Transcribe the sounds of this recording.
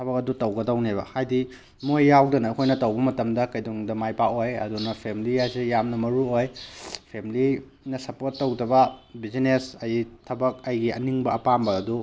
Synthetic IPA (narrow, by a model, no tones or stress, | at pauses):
tʰɐbɐk̚ɐdutɐwɡɐdɐwnebɐ̰hajdi | mojːawdɐnɐːkʰojnɐtɐwbɐmɐtɐmdɐkɐjduŋdɐmajpaojɐ̰dunɐpʰemilijasijamnɐmɐɾuojpʰemili | nɐsɐpoɾtːɐwdɐbɐbizinesɐjtʰɐbɐk̚ɐjɡiɐniŋbɐːpambɐːdu